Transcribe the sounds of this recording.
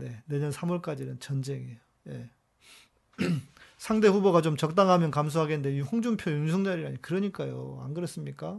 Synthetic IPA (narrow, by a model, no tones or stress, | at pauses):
ne̞ne̞ɲʌnsʰamuɭk͈ad͡ʑinɯnt͡ɕʌnd͡ʑe̞ŋejo | je̞̰ | sʰaŋde̞ɸuboɡat͡ɕomt͡ɕʌk̚t͈aŋɦamjʌnkams̬ʰuɦaɡennde̞ɸoŋd͡ʑumpʰjojuŋsʰuŋd͡ʑaɾiɾaɲikɯɾʌɲik͈ajo̰a̰nɡɯɾʌs͈ɯmɲik͈a